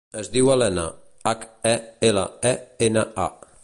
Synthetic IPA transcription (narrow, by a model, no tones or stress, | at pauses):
əzðiwalɛnə̰ | akɛelə̰ɛenəa̰